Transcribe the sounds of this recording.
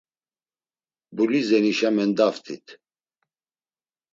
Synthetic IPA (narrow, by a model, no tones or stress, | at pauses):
bulizɛniʃamɛnd̪aft̪ʰḭt̪ʰ